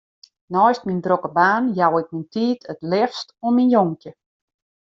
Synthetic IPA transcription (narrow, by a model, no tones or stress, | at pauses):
nɔjstmindrokəbaːnjawɪk̚mintʰiːtətlɪfstominjoŋkjə